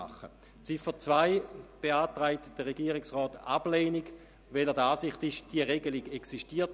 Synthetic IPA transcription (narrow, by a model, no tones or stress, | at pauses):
a̰χə̰ | t͡sifət͡svaɪb̥eaːtʁaɪtd̥əʁeɡiːəʁɪksʁɔːtab̥leːniɡ | velɛdaːsɪχtiʃd̥iəʁeɡəliɡeksiʃtiːɐt